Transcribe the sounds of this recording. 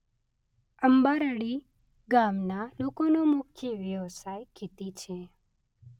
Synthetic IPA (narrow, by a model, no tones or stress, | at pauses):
əmbaɾəɽi | ɡamnalokonomʊkʰjəʋjəʋsajkit̪it͡ʃʰe